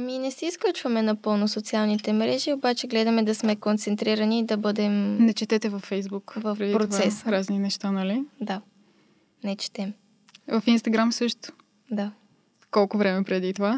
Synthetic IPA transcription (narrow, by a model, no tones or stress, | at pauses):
miɛnɛsiːsklʲut͡ʃvɐmɛnɐpɤlˠnʊsot̪sialˠnit̪ɛmɾɛʒiobat͡ʃɛɡlɛd̪ɐmɛd̪ɐsmɛkont̪sɛnt̪ɾiɾɐnid̪ɐbɤd̪ɛmnɛt͡ʃɛt̪ɛt̪ɛvɐfːɛjzbukvɐfpɾɛd̪ipɾottvasɛsɾazninɛʃt̪anɐlid̪a | nɛt͡ʃɛ̥t̪ɛm | vɐfinst̪ɐɡɾamsɤʃt̪ʊ̥ | d̪a | kɔlˠkʊvɾɛmɛpɾɛd̪it̪ova